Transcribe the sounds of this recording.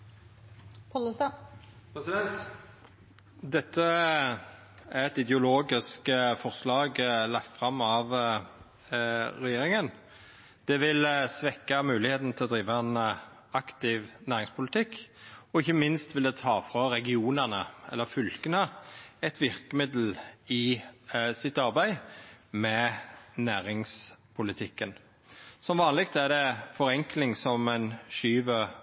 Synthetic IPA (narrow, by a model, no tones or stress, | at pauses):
pʰɔləsɑpsɛt̪ | d̪ɛt̪ːə | æʁɛt̪ɪd̪ɛʊloːɡɪskfɔʁslɑːɡlɑkt̪fɾɑmːɑʋ | ɾɛjeːɾɪŋən | d̪̥ɛʋɪlsʋɛkːɑmʉːlɪheːt̪n̩t̪ʰɪlɔd̪ɾiːʋaɛn | ɑkt̪ɪʋnæːɾɪŋspʰʊlɪt̪ʰɪkːɔɪçːəmɪnst̪ʋɪld̪ɛt̪ʰɑːfɾɑɾɛɡɪuːnənəɛ̰lːəfʏlkənəɛt̪ʰʋɪɾkəmɪd̪l̩ɪ | sɪt̪ɑɾbæɪmɛnæːɾɪŋspʰʊlɪt̪ʰɪkːən | sɔmʋɑːnlɪkt̪æd̪ɛfɔɾɛŋklɪŋsɔmæɪnʃyːʋə